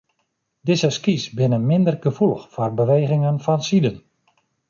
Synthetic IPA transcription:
dɪzəskisbɪnəmɪndərɡəfulˠəxfɔrbəʋeːɣɪŋənfɔnsidən

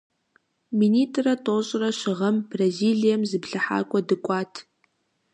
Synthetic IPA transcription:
miniːtʰʼrɐtʰʼoːɕʼrɐʃɨʁɐmbraziːlijɐmzɨbɮɐħa̰ːkʷʼɔdɨkʷʼɑːtʰ

